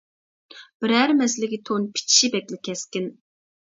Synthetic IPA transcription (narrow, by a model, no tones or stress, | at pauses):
b̥ɪɾæɾmɛslɪkʲit̪ʰonpʰi̥t͡ʃʰi̥ʃibɛkʲlɪkʲʰɛskʲɪn